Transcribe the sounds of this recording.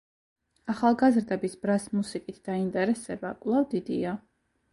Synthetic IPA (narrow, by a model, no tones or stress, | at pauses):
aχalˠɡazɾd̪ɛbisbɾasmusikʼit̪ʰd̪̥aint̪ʼɛɾɛsɛbakʼwlˠavd̪id̪ḭa